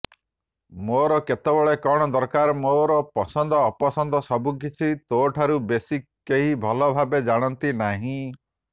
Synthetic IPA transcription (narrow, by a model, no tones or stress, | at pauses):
moɾɔket̪ebɔɭekɔɽ̃ɔd̪ɔɾkaɾmoɾɔpɔsɔnd̪ʱɔːpɔsɔnd̪ʱɔsɔbuk̬it͡ʃʰit̪oʈʰaɾubesi | keɦibʱɔlɔbʱabed͡ʒaɽ̃ɔnt̪inaɦĩ